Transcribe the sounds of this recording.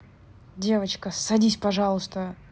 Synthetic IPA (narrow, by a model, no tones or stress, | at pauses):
dʲe̞vət͡ɕkəsɐdʲisʲpɐʐɑlˠʊst̪ə